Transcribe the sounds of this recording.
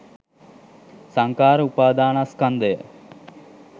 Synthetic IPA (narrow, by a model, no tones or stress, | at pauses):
saŋkaːɾəupaːd̪aːnaskand̪ejə